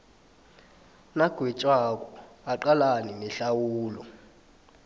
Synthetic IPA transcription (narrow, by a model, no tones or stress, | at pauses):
naɡ̥ʱwɛt͡ʃʼwak̬ʼɔaǃalaninɛɬawuːlɔ